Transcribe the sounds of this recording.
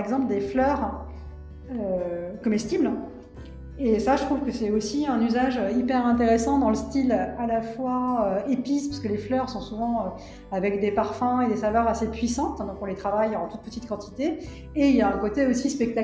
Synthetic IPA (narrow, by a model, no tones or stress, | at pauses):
ɛɡzɑ̃pləd̪eflœʁ | økɔmɛst̪ibl | esaʒət̪χuvkəsɛosiɛ̃nyzaʒøipɛʁɛ̃t̪̬eʁesɑ̃d̪ɑ̃ləst̪ilalafwaøepispḁʁsə̥kəleflœʁsɔ̃suvɑ̃ø | avɛkd̪epaʁfɛ̃ed̪esavœʁasepɥisɑ̃t̪d̪ɔ̃kɔ̃let̪χavajɑ̃t̪ut̪̚pət̪it̪kɑ̃t̪ʰi̥t̪eː | iljaɛ̃kot̪eosispɛk̚t̪a